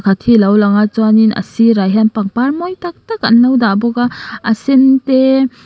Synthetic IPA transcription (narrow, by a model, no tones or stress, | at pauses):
kʰatʰilawlaŋat͡ʃɔaninɐ̰siɾajɦanpaŋpaɾmɔjtak̚taka̰nːawdabɔɡaːsinte